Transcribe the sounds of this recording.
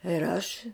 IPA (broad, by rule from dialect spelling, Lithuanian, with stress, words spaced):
ɪr ˈɐʃ